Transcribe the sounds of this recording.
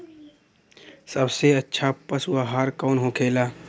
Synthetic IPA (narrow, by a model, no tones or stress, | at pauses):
səbseətːʃʰapəsuaɦaːɾkɔːnɦõːkʰeːlaː